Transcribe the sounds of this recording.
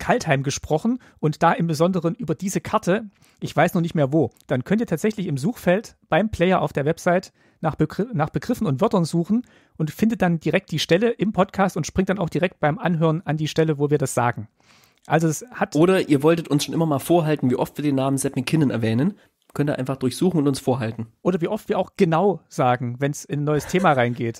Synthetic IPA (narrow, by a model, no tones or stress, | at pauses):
kʰalthaɪmɡəʃpʁ̥ɔχn̩ | ʔʊntd̥aːʔɪmbəzɔndəʁənʔyːbɐdiːzəkʰaɐtʰə | ʔɪçv̥aɪsnɔχnɪçtmeːɐvoːd̥ankʰœntiɐtʰaːtz̥ɛçlɪçɪmzuːxfɛltb̥aɪmpl̥ɛɪɐʔa̰ʊfd̥eːɐvɛpz̥aɪt | naːχnaːχb̥əɡʁɪfn̩ʊntv̥œɐtɐnzuːxn̩ | ʔʊntfɪndət̚d̥and̥iʁɛk̚t̚d̥iːʃtɛləʔɪmpʰɔtkʰaːstʊntʃpʁ̥ɪŋtd̥anaʊxd̥iʁɛk̚t̚b̥aɪmʔa̰nɦøːʁənandiːʃtɛləvoːviːɐdasz̥a̰ːɡŋ̩ | ʔalzoɛshatʔoːɾɐʔiːɐvɔltətʊnsʃoːnʔɪmɐmaːlfoːɐɦaltn̩viːʔɔftviːɐdeːnːaːmənzɛpmɪkʰɪnənɛɐvɛːnən | kʰœntdaɐʔaɪnfaχd̥ʊɐçz̥uːxn̩ʊntʊnsfoːɐɦaltn̩ʔoːɾɐviːʔɔftv̥iːɐʔaʊxɡ̥ənaʊz̥aːɡŋ̩vɛnsɪnnːɔʏəstʰeːmaʁaɪnɡeːt